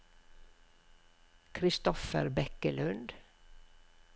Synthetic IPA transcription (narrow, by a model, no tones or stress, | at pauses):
kʰɾɪst̪ɔfəɾbɛkəlʉnd̪